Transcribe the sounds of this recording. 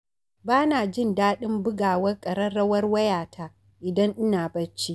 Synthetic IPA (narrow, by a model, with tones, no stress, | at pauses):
baː˦naː˨d͡ʒɪ˦ndaː˦ɗɪ˦mbʊ˦ɡaː˨wɐ˦rkʼɐ˨ɾɐ˦rɽɐ˦wɐ˦rwɐ˦jaː˨tʰa˦ | ʔɪ˨dɐ˦ŋʔɪ˦naː˨bɐ˦t͡ʃi˦